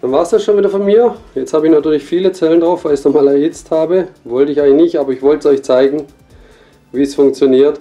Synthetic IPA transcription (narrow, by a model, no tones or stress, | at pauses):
d̥anvaːɐstasʃoːnviːdɐfɔnmiːɐjɛt͡sthaːbəɪçnatʰyːɐlɪçfiːlət͡sɛləndʁaʊfv̥aɪlɪçnɔχmaːlɛɐʔɪt͡sthaːbəvɔltəɪçaɪŋlɪçnɪçtʔaːbɐɪçv̥ɔltsɔʏçt͡saɪɡŋ̩ | viːsfʊŋk̚t͡sjoniːɐt